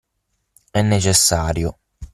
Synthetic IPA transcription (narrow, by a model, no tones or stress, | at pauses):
ɛnːet͡ʃesːaːɾjo